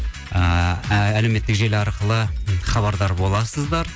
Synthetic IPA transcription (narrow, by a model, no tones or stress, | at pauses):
əæleme̞t̪ːɪkʒe̞lɑɾqəlˠəχɑβɑɾd̪ɑɾbo̞lˠɑsəzd̪ɑɾ